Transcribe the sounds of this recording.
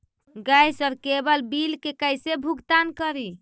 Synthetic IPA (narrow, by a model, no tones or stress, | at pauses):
ɡajsəbkebəlbilkekəjsebʱuɡt̪ankəɾi